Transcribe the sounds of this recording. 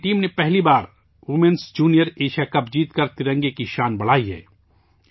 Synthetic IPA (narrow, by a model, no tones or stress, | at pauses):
ʈiːmnepɛɦlibaːɾ | wʊmẽnsd͡ʒuːnijəɾeːʃakɐbd͡ʒiːt̪kɐɾt̪ɪɾə̃ŋɡekiʃaːnbɐɽ̤aːiɦɛ̰ː